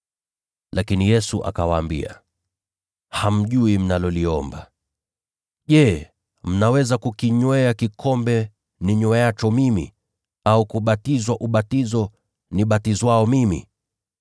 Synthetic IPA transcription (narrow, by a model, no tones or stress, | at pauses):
lakinijɛsuʔa̰kawaːmbḭa̰ | ham̩ʄuim̩nalɔliɔmba | ʄɛ | m̩nawɛzakukiɲwɛakikʰɔmbɛ | niɲwɛat͡ʃɔmimḭ | aukuɓatizwaʔuɓatizɔ | niɓatizwaɔmimḭ